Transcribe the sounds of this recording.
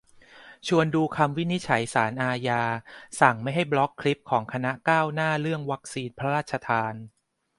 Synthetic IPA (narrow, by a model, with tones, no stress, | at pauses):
t͡ɕʰu˧ənduː˧kʰa˧mwi˦˥ni˦˥t̪̚t͡ɕʰa˩˦jsaː˩˦nʔaː˧jaː˧sa˨˩ŋma˥˩jɦa˥˩jblɔ˦˥kʰːli˦˥p̚kʰɔː˩˦ŋkʰa˧na˦˥kaː˥˩wnaː˥˩ɾɯ˥˩əŋwa˦˥k̚siː˧npʰɾa˦ɾaː˥˩t̪̚t͡ɕʰa˧t̪ʰaː˧n